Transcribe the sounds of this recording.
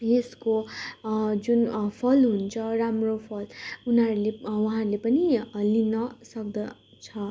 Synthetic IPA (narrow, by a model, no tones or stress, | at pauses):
jesko | d͡zunpʰʌlɦunt͡sʰʌramropʰʌlunʌɾulewuɦãɾulepʌnilinʌsʌk̚d̪ʌ | t͡sʰʌ